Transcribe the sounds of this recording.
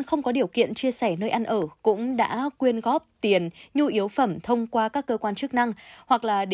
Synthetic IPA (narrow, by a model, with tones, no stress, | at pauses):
nxə˧wŋ͡mkɔ˨˦ɗi˨˩əwkḭ˧˨ənt͡ɕi˧əsɛ˧˩nəː˧jʔa˧nʔəː˧˩kʊ̰˧˥ŋ͡mɗa̰ː˧˥kwi˧ənɣɔ˦˥p̚t̪i˨˩ənɲu˧ʔi˨˦əwfə˧˩mt̪ʰə˧wŋ͡mkwaː˧kaː˦˥kːəː˧kwaː˧nt͡ɕɨ˦˥k̚na˧ŋhwa˨˩k̚laː˨˩ɗ